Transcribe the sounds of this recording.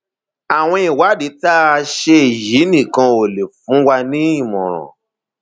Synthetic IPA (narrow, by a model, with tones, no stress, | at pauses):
a˨w̃ɔ̃˧i˨wa˨˦de˨˦ta˦˧ʃe˧˨ji˨˦nĩ˦˨kã˧o˨le˨fũ˨˦wa˧nĩ˦ĩ˦˨mɔ̰̃˨ɾ̃ɔ̰̃˨